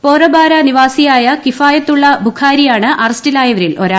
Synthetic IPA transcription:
poːrɐbaːɾɐniʋaːsijaːjɐkifaːjɐt̪ːuɭːɐbʱukʰaːɾijaːɳɨʔɐrɐstilaːjɐʋɐɾilʔo̞̰ɾaː

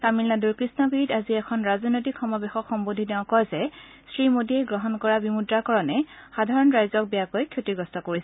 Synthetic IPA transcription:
samilnaduɹkɹisnɔɡɹitaziɛkʰɔnɹazɔnojtikʰxɔmɔbexɔkxɔmbodʱidɛãkɔjzɛ | sɹimodiɛɡɹɔɦɔnkɔɹabimudɹakɔɹɔnɛxadʱaɹɔnɹajzɔk̚bijakojkʰːjotiɡɔstɔkoɹisɛ

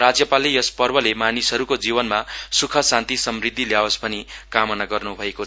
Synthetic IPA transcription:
rad͡zjʌpalijʌspʌrbʌlemanisɦʌɾukod͡zibʌnmasukʰʌsãnt̪isʌmrid̪ʱːiljawʌsbʌnikamʌnaɡʌrnubʱʌekot͡sʰ

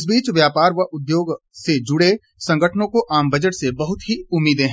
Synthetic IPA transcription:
ɪs̬biːt͡ʃʋjaːpaːɾʋɐɦʊd̪joːɡ | sed͡ʒʊɽe | sɐ̃ŋɡəʈʰnõkoʔaːmbɐd͡ʒəʈsebɐɦʊt̪ɦiʊmːiːd̪ẽɦɛ̃

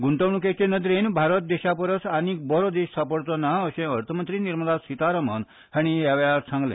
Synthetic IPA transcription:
ɡuɳʈəʋɳuket͡ɕẽnəd̪ɾenbʱaɾət̪̚d̪eɕapəɾət͡saniːk̚bəɾod̪eɕsʰapəɽt̪ɔnaəɕẽəɾt̪ʰəmənt̪ɾiːniɾməd̪asit̪aɾəmə̰n | haɽ̃iɦaʋjaɾt͡sʰãŋɡlḛ̃

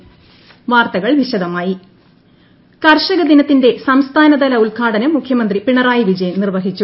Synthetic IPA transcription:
ʋaːrt̪ɐɣɐɭʋiɕɐd̪ɐmaːji | kɐrʂɐɣɐd̪inɐt̪ːinde̞sɐmst̪ʰaːnɐd̪ɐlɐuɭɡʰʱaːɽɐnɐmːukʰjɐmɐnd̪ripiɳɐraːjiʋid͡ʑɐjɐmnirʋɐɦit͡ɕːu

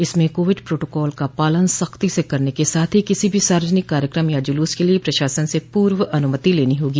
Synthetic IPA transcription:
ɪsmẽkoːʋɪɖpɾoːʈoːkɔːlkapaːlənsɐxt̪isekɐɾnekesaːt̪ʰɦikɪsibʱisaːɾəd͡ʒənɪkːaːɾjəkɾəmjad͡ʒʊluːskeliepɾɐʃaːsənsepuːɾʋɐnʊmət̪ileːniɦoːɡiː

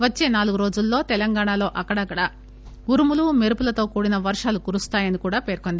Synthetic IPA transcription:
ʋɐt͡ʃːe̞ːnaːluɡuɾoːd͡ʒulːo̞ːt̪ɛlɐŋɡaːɳalo̞ːʔɐkːɐɽɐkːɐɽɐ | ɡuɾumulumeɾupulɐt̪o̞ːkuːɽinɐʋɐɾʂaːlukuɾust̪aːjɐnikuːɽaːpe̞ːɾko̞nd̪i

